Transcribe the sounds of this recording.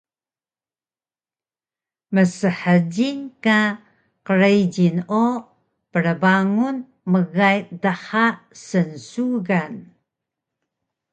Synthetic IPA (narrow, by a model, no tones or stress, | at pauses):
məsəħəɟinka | qəɾejɟino | pəɾəbaŋun | məɣajdəħasənsuɣan